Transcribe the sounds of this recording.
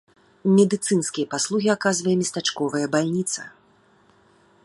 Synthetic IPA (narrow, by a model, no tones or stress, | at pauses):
mʲɛd̪ɨt̪sɨnskʲijɐpaslˠuɣʲiakazvɐjɛmʲɛst̪at͡ʂkɔvɐjɐbalʲnʲit̪sɐ̥̰